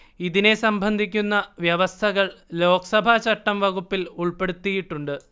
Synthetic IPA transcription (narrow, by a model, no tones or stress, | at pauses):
iðine̞sɐmbʱɐnd̪ʱikʲːunːɐʋjɐʋɐst̪ʰɐɣɐɭlo̞ːkɐsɐbʱat͡ɕɐʈːɐmʋɐɣupːiluɭpe̞ɽut̪ːijiʈːuɳɖɨ